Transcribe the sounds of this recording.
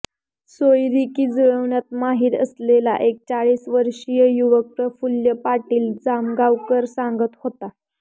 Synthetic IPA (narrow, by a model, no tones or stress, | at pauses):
sojɾikiːd͡zəɭəʋɳjat̪maɦiːɾəslela̰ʔek̚t͡ɕaɭiːsʋəɾɕijəjuʋək̚t̪əfuljəpaʈiːld͡zamɡawkəɾsaŋɡət̪hot̪a